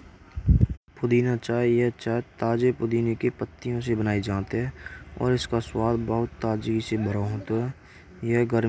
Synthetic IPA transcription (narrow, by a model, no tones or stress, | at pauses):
pʊd̪iːnat͡ʃaːejɛɦt͡ʃaːet̪aːd͡ʒepʊd̪iːnekepət̪ːijõsebənaːid͡ʒaːt̪eɦɛːɔ̰ːɾɪskaswaːd̪bəɦʊt̪ːaːd͡ʒiɡisebʱəɾaɦõːt̪oɦɛː | jəɦɡəɾ